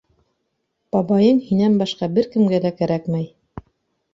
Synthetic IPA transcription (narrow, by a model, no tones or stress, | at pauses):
b̥ɑbɑjɤnhinæmbɑʃqɑbɘɾkɘ̆mɡælækæɾækmæj